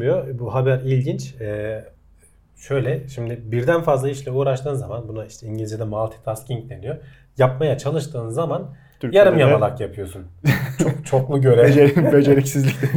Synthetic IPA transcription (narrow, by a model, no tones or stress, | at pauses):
jo̞buɦabæɾilʲɟint͡ʃɛː | ʃø̞jlʲɛʃimd̪ɪbiɾd̪ænfazlˠaiʃlʲɛuːɾaʃt̪ʰɯːnzamanbunaiʃt̪ʰɛiɲɟilʲd͡ʒed̪ɛmalˠt̪ʰi̥t̪ʰascʰiɲc̚d̪e̞nijo̞ | japmajat͡ʃʰalˠɯʃt̪ʰɯːnzaman | jaɾɯmjamalˠakjapʰɯjo̞sunt͡ʃʰt͡ʃʰoklˠuɟø̞ɾed͡ʒeɾibed͡ʒeɾicsizlʲic̪ɛ